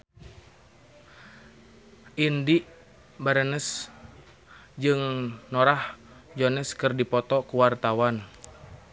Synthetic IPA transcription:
ʔindiʔ | baɾənəs | d͡ʒɨŋnɔɾah | d͡ʒɔnɛskɨrdipɔt̪ɔkuwart̪awan

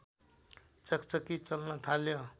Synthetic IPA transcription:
t͡sʌkt͡sʌkit͡sʌlnʌt̪ʰaljo

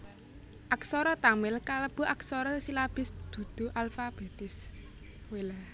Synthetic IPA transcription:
ʔaksɔɾɔt̪amɪlkaləb̥o̤aksɔɾɔsilab̥ɪ̤sd̪̥ṳd̪̥ṳʔalfab̥et̪ɪs | wela

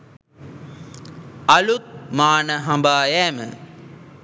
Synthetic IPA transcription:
ɐlut̪̚maːnəɦambaːjɛːmə̰

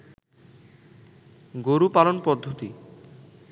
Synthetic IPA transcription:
ɡoɾupalonpɔd̪ʱːot̪i

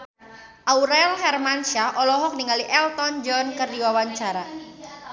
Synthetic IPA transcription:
ʔauɾɛlhɛrmanʃaʔɔlɔɦɔk̚niŋaliʔɛlt̪ɔnd͡ʒɔnkərdiwawaɲt͡ʃaɾa

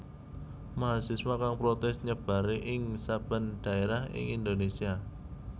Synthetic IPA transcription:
maɦasɪswakaŋpɾot̪ɛst̪̚ɲəb̥a̤ɾeʔɪŋsab̥a̤nd̪̥a̤eɾahɪ̰ŋind̪onesia

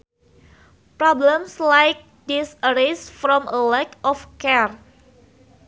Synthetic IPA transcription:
pɾɔblə̃mslajk̚ | disəɾesfɾɔ̃məlɛkɔfkɛr

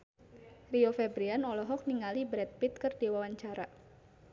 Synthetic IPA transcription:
riofɛbɾianɔlɔɦɔk̚niŋalibɾɛt̪̚pit̪̚kɨrdiwawaɲt͡ʃaɾa

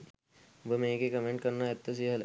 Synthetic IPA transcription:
ʋəmẽːkekɐmẽɳʈkɐɾnaet̪ːɐs̬iɦɐle

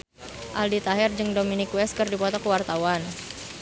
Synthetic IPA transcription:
ʔaldit̪aɦɛrd͡ʒɨŋdominikwɛskɨrdipɔt̪ɔkəwart̪awan

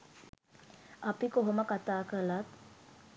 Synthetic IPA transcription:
apikoɦoməkat̪aːkəlat̪

